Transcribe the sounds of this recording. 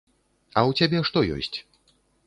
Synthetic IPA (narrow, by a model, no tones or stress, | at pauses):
ɐwt͡sʲabʲɛʂt̪ɔjɔ̰sʲt͡sʲ